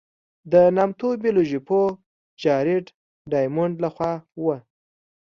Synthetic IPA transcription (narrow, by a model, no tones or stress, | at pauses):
d̪ənamt̪obiloʒipo | d͡ʒɑɾɪʈ | ɖɑjmʊɳɖlaxwɑwə